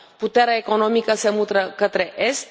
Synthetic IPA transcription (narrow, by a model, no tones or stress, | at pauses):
put̪eɾaeko̞nomikəsemut̪ɾəkət̪ɾeʔest̪